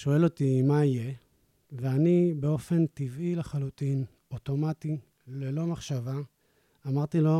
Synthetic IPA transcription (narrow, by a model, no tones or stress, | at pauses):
ʃo̞e̞lo̞t̪imaije̞ | veanibe̞o̞fe̞ntivileχalutin | oto̞mat̪i | le̞lo̞maχʃavaː | maʁt̪ilo̞